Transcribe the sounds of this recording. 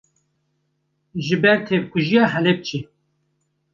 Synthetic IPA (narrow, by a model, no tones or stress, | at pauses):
ʒɨbɛɾt̪ʰep̚kʰuʒijɑːɦɛlep̚t͡ʃʰi